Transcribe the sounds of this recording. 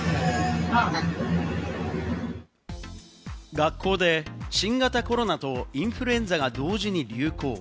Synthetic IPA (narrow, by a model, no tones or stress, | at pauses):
ɡakʰːo̞ːd̪e̞ɕĩŋɡat̪ako̞ɾo̞nat̪o̞ĩɰ̃ɸɯɾɯẽ̞nd͡zaɡad̪o̞ːʑiɲ̟iɾʲɯ̟ːko̞ː